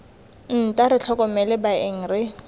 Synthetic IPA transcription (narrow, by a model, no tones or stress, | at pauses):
n̩tʼaɾɪt͡ɬʰɔkʼɔmɛlɛbaɪŋ̩rɪ